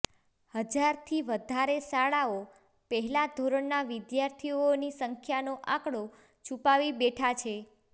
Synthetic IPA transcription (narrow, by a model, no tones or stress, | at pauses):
həd͡ʒaɾt̪ʰiʋəd̪ʱaɾesaɭao | pəɦɛlad̪ʱoɾəɳnaʋid̪jaɾt̪ʰionisəŋkʰjanoʔãkɽo | t͡ʃʰupaʋibeʈʰat͡ʃʰe